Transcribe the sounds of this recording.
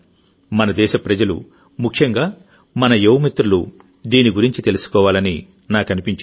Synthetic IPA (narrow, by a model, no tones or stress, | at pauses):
mɐnɐd̪ɛːʃɐpɾɐd͡ʒɐlṵ | mukʰjɐŋɡaː | mɐnɐjewmit̪ɾulu | d̪iːniɡuɾiɲt͡ʃit̪e̞lusu̥kɔːʋaːlɐni | naːkɐnipiɲt͡ʃ